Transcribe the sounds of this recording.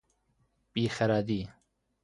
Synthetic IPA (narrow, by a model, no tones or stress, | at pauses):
pʼiːxɐɾaːd̪iː